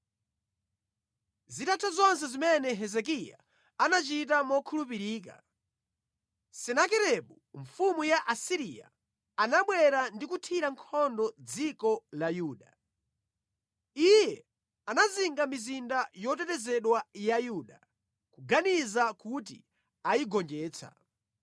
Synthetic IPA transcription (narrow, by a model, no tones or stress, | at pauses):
zitatʰazɔns̬ɛzimɛnɛɦɛzɛk̬ija̰ | anat͡ʃit̬amɔkʰulup̬iɾiːk̬a̰ | sɛnakɛɾɛɓu | ɱfumujaʔasiɾija̰ | anaɓwɛɾandikutʰiɾaŋkʰɔndɔd͡zikɔlajuːɗa | ijjɛ | anaziŋɡamizindajɔt̬ɛtɛzɛɗwajajuɗa | kuɡanizakut̬ḭ | ajiɡɔnd͡ʒɛːt͡sʰa̰